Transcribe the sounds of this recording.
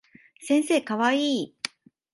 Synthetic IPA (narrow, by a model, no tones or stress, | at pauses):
sẽ̞ɰ̃se̞ːkaβaiː